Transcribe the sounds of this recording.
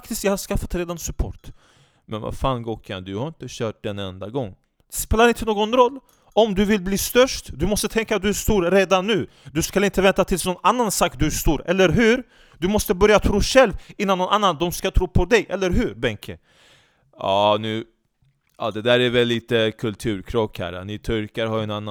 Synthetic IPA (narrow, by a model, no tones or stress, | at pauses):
kt̪ɪst̪jahaskafːat̪ɾeːd̪ansɵpʰo̰ːʈ | mʔɛnva̰faːnɡoːkʰa̰nd̪ɵhaɾɪnt̪əɕœːʈ̚d̪ɛnɛnd̪aɡɔŋː | speːlaɾɪnt̪ʰənoːɡɔnɾɔlː | ɔmd̪ɵvɪlbliːst̪œʂʈd̪ɵmɔst̪ət̪ʰɛŋkat̪̚d̪ɵæʂt̪uːɾɾeːd̪anːʉ̟ː | d̪ɵskalɪnt̪əvɛnt̪at̪ʰɪlsnɔnanːansɑːkd̪ɵʂt̪uːɾɛlːəɾɦʉ̟ːɾ | d̪ɵmɔst̪əbœɾjat̪ʰɾuːɧɛlvɪnːanːɔnanːand̪ɔmskat̪ʰɾuːpʰɔd̪ɛjʔɛlːəɾɦʉɾbɛŋkʰə | ɑːnʉ̟ː | ɑ̰d̪ɛd̪æːɾævɛlːiːt̪əkʰɵlt̪ʰʉ̟ːɾkʰɾɔkhæ̰ːɾa̰nɪt̪ʰɔɾkaɾhaɾjɛnanːa